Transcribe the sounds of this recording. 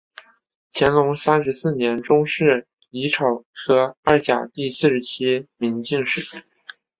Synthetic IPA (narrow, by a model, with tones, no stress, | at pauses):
t͡ɕʰjɛ˧˥nlʊ˧˥ŋsa˥nʂɻ̩˧˥sɹ̩˥˩njɛ˧˥nʈ͡ʂʊ˥ŋʂɻ̩˥˩ | i˧˥ʈ͡ʂʰɑ˨˩ʊkʰɤ˥a˞˥˩t͡ɕja̰˨˩t̪i˥˧sɹ̩˥˩ʂɻ̩˧˥t͡ɕʰi˥mi˧˥ŋt͡ɕi˥˧ŋʂɻ̩˥˩